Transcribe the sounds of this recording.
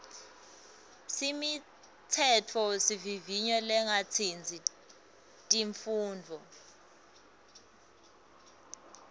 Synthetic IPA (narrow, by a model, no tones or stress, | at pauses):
simi | t͡sʰɛtʰɔsiviviɲɔlɛŋat͡sʰind͡zʱi | tʼiɱfuːndʱɔ